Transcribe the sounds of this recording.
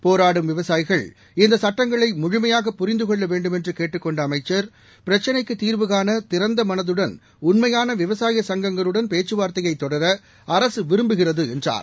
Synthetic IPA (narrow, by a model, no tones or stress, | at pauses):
poːɾaːɽɯmʋɪʋɐsaːjɪɣɐɭ | ɪnd̪ɐsɐʈːɐŋɡɐɭɐɪmʊɻʊmɐjaːɣɐpːʊɾɪnd̪ɯkɔɭːɐʋeːɳɖɯmɛndrɯkeːʈːɯkːɔɳɖɐːmɐɪt͡ʃːɐɾ | pɪɾɐt͡ʃːɐnɐɪkːɯt̪ːiːɾʋɯɣaːnɐt̪ɪɾɐnd̪ɐmɐnɐðɯɽɐn | ʊnmɐjaːnɐʋɪʋɐsaːjɐsɐŋɡɐŋɡɐɭɯɽɐnpeːt͡ʃːɯʋaːɾt̪ɐjɐɪt̪ːɔɽɐɾɐ | ɐɾɐsɯʋɪɾɯmbɯɣɪrɐðɯɛndra̰ːɾ